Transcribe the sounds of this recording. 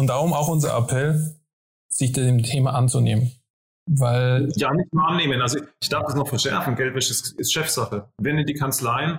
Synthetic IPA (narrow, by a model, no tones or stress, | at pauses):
ʊntd̥aːʁʊmaʊxʔʊnzɐ̰ʔa̰pʰɛl | z̥ɪçd̥mtʰeːmaʔant͡suneːmən | vaɪljaːnɪçtnuːɐʔanːeːmənʔalzoʔɪçd̥aɐfd̥asnɔχfɛɐʃɛɐfn̩ɡɛltvɛʃɪsɪstʃɛfz̥aχəvɛndidiːkʰant͡slaɪn